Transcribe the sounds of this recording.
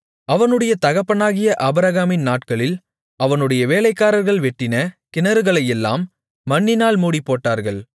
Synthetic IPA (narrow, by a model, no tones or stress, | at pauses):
ɐʋɐnɯɽɐjɐt̪ɐɣɐpːɐnaːɣɪjɐʔɐbɪɾɐɣaːmɪnnaːʈkɐɭɪl | ɐʋɐnɯɽɐjɐʋeːlɐɪkːaːɾɐɾɣɐɭʋɛʈːɪnɐkɪnɐɾɯɣɐɭɐjɛlːa̰ːmː | ɐɳːɪnaːlmuːɽipːoːʈːaːɾɣɐɭ